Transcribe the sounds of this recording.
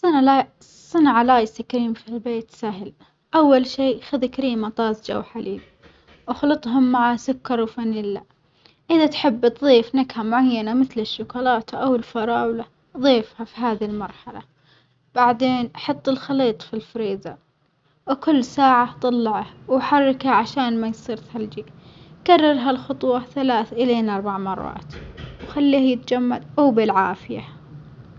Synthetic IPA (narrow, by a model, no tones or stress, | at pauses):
sˤːanʕalaːjsakaɾiːmfilbeːt̪saɦɪl | ʔawːalʃiːxaðkaɾiːmat̪ˤɑːzd͡ʒa̰wħalʔḭːb | wxlɨt̪ˤɦʊmːaʕasʊkːɑɾˤwfanɪlːa | ʔɪðat̪ħɪbːt̪ðˤiːfnakhamʊʕajːanamɪθlɪʃːʊkʊlɑːt̪ʔawɪlfɑɾˤɑːwla | ðˤiːfhafiɦaːðilmɑɾˤħala̰ | b̥aʕd̪eːnʔɑħɑt̪ˤːɪlxɑliːt̪ˤfilfɾiːza | wkʊlːsaːʕat̪ˤɑlːɑʕawħarːɪkhaʕaʃaːnmajsˤɨɾt̪hald͡ʒikarˤːɑɾɦalxʊt̪ˤwɑθalaːθʔɪleːnʔɑɾˤbaʕmɑrˤːɑ̰ːt̪wxalːiːhajɪt̪d͡ʒamːa̰lʔawbɪlʕaːfɪja̰